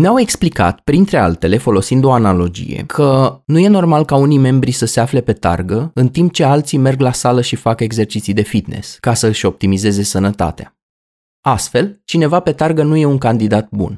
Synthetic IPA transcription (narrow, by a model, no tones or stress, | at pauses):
neawe̞ksplika̰t̪pɾint̪ɾe̞a̰lt̪e̞le̞fo̞lo̞sind̪o̞analo̞d͡ʒḭje̞̰kʰənuje̞no̞rmalkaunijme̞mbɾisəseafle̞pe̞t̪a̰rɡəɨnt̪imp̚t͡ʃe̞alt̪sime̞rɡlasaləʃifake̞ɡze̞rt͡ʃit̪sijd̪e̞fit̪ne̞̰skasəɨʃo̞p̚t̪imize̞ze̞sənət̪a̰t̪ea | ast̪fe̞lt͡ʃine̞vape̞t̪arɡənuje̞uŋkand̪id̪at̪̚bṵn